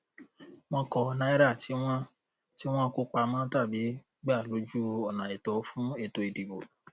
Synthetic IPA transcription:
w̃ɔ̃˧kɔ˧nã˦i˦ɾa˦˨ti˨˦w̃ɔ̃˦ | ti˦w̃ɔ̃˦ko˦k͡pa˧mãː˦ta˦˨bi˨˦ | ɡ͡ba˦˨lo˨˦d͡ʒu˦ɔ˨nã˨i˨tɔ˨˦fũ˦e˦˧˨to˧i˨di˨bo˨

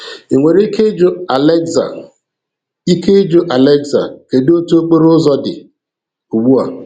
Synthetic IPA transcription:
e˨ŋʷe˨ɾi˦ke˦d͡ʒo˦a˨lɛ˦za̰˨ | i˦ke˦d͡ʒo˦ʔa˨le˦ɡza̰˨ke˨do˦tu˦o˦k͡pe˦ɾʊ˦zɔ˦dɪ̰˨ | u˨ɡ͡bu˦a˨

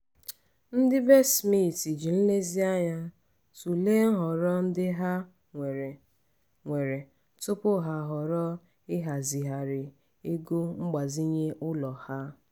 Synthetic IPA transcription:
n̩˦dɪ˦be˦smi˦˨ti˨d͡ʒi˨n̩˦le˦zi˦a˦ɲa˦ | tu˨le˦n̩˦ɦɔ˨ɾɔ˦n̩˦dɪ˦ɦa˦ | e˨ɾ | ŋʷe˨ɾe˨ | tʊ˦pʊ˦ɦa˨ɦɔ˨ɾɔ˦ | ɪ˦ɦa˨zi˨ɦa˨ɾɪ˨ | e˦ɡo˦ŋ͡m̩˦ɡ͡ba˨zi˦ɲe˦ʔʊ˦lɔ˨ha˦

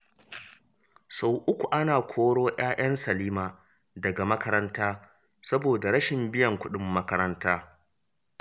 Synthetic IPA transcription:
sa˨wʔʊ˦kʷu˨ʔa˦naː˨kʷʰoː˦ɽoː˦j̰ʔaː˦j̰ɐ˦nsɐ˨liː˦maː˨ | dɐ˨ɡa˨mɐ˦kɐ˦ɾɐ˦ntaː˦ | sɐ˦boː˨da˨ɾɐ˦ʃɪ˨mbɪ˦jɐ˨ŋkʷʊ˦ɗɪ˦mːɐ˦kɐ˦ɾɐ˦ntaː˦

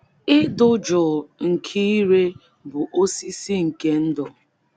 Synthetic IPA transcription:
ɪ˦dʊ˦d͡ʒʊ˨ŋ̩˨kʰi˦i˦ɾe˦ | bʊ˨ʔo˦si˦si˦ŋ̩˨ke˦n̩˦dɔ˨

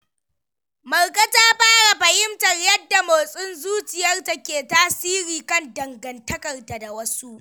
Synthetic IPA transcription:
mɐ˨rkʼɐ˦taː˦ɸaː˦ɽa˨ɸɐ˨hɪ˦mtɐ˨rjɐ˦dːa˨moː˨sʼʊ˦nzuː˦t͡ʃɪ˨jɐ˦rta˦kʲeː˨taː˦siː˦ɾiː˨kɐ˦ndɐ˨ŋɡɐ˨ntɐ˦kɐ˨rta˨da˨wɐ˦su˦ʔ

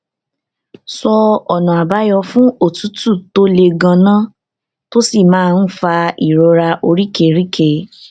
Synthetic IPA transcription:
sɔ˧ɔ˨nã˨a˨ba˨˦jɔ˧fũ˦o˦˨tu˨˦tu˦˨to˦le˧ɡã˧nã˦ | to˦si˦˨mãː˦˧n̩˦fa˧i˨ɾo˧˦ɾa˧ʔo˧ɾi˦ke˧˦ɾi˦ke˦˧˦

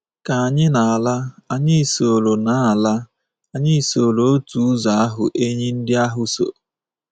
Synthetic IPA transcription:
ka˨a˨ɲɪ˦na˨a˨la˦a˦ɲɪ˦˨so˨lo˨na˨˦a˨la˦ | a˨ɲɪ˦˨so˨lo˨o˦tu˨˦za˨a˦ɦʊ̰˨ʔe˦ɲɪ˦n̩˦dɪ˦a˦ɦʊ˨so̰˨

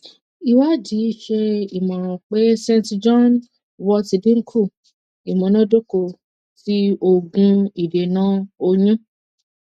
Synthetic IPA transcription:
i˨wa˦d͡ʒi˨˦ʃe˧i˨mã˨k͡pe˦sẽ˦ntd͡ʒɔ̃˦n | wɔ˦˧ti˧dĩ˦ŋ̩˦kʰu˦˨ | i˨mã˨nã˦do˦ko˧ | ti˦o˧ɡũ˧i˨de˨nãː˨˦o˧ɲũ˦

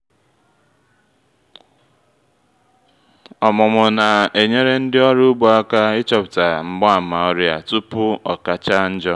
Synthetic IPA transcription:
ɔ˨mʊ˨mʊ˨na˨e˨ɲe˦ɾe˦n̩˦dɪ˦ɔ˦ɾʊ˦ʊ˦ɡ͡bo˨a˦ka˦ɪ˦t͡ʃɔ˨pʊ̥˨ta˨ŋ͡m̩˨ɡ͡bɔ˦a˨ma˨ɔ˦ɾja̰˨tu˦pʊ˦ɔ˨ka˦t͡ʃa˦n̩˦d͡ʒɔ˦

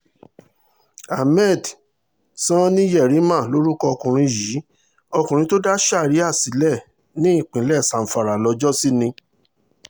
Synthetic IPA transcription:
a˨mɛ˦˨d | sã˦nĩ˦jɛ˦˨ɾi˨˦mã˦˨lo˦ɾu˦kɔ˧ɔ˧kũ˨ɾ̃ĩ˧ji˨˦ | ɔ˧kũ˨ɾ̃ĩ˧˦to˦da˦ʃa˦˨ɾi˨˦a˦˨si˨˦lɛ˦˨ | nĩ˦ĩ˦˨k͡pĩ˨˦lɛ˦˨sã˨m̩˨fa˨ɾa˨lɔ˧d͡ʒɔ˦si˦nĩ˧

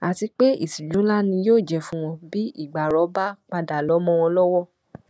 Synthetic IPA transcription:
a˨ti˧k͡pe˦ḭ˦˨si˨d͡ʒũ˨˦la˦nĩ˧joː˦˨d͡ʒɛ˧˨fũ˦w̃ɔ̃˧bi˦ḭ˦˨ɡ͡ba˨ɾɔ˨˦ba˦k͡pa˧da˨lɔ˨˦mɔ̃˧w̃ɔ̃˧lɔ˦wɔ˦˨

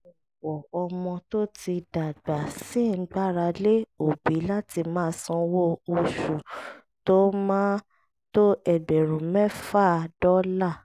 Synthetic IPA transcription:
ɔ˨ | wɔ˨ɔ˧mɔ̃˧to˦ti˧da˨ɡ͡ba˨si˦˨n̩˦ɡ͡ba˦ɾa˧le˦o˦˨bi˨˦la˦ti˧mãː˦sɔ̃˧wo˦o˧ʃu˨ | to˦mãː˦ | to˦ɛ˦˨bɛ˨ɾ̃ũ˨mɛ̃˦faː˦˨dɔ˦la˦˨

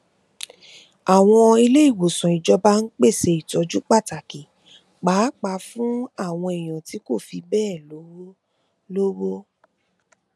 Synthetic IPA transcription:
a˨w̃ɔ̃˧i˧le˦i˦˨wo˨sɔ̃˨i˨d͡ʒɔ˧ba˦n̩˦k͡pe˦˨se˧i˨tɔ˨˦d͡ʒu˦k͡pa˦˨ta˨ki˨ | k͡paː˨˦k͡pa˧fũ˦a˦˨w̃ɔ̃˧i˨j̃ã˨ti˨˦ko˦˨fi˧bɛː˦˨lo˨˦wo˦ | lo˦wo˦

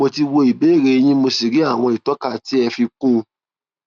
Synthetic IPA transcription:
mo˧ti˧wo˧i˨be˨˦e˦˨ɾe˧j̃ĩ˦mo˧si˨ɾi˨˦a˦˨w̃ɔ̃˧i˨tɔ˨˦ka˦˨ti˦ɛ˧fi˧kũ˦˧

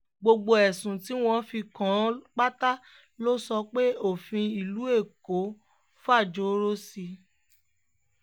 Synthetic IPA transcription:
ɡ͡bo˧ɡ͡bo˧ɛ˨sũ˨ti˨˦w̃ɔ̃˧fi˧kã˨˦k͡pa˦ta˦ | lo˦sɔ˧k͡pe˦o˦˨fĩ˧i˨lu˨˦e˦˨ko˨˦ | fa˦˨d͡ʒo˨˦ɾo˦si˧

